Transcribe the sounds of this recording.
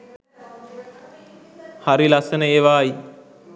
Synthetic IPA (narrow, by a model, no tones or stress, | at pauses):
haɾilasənəeʋaːi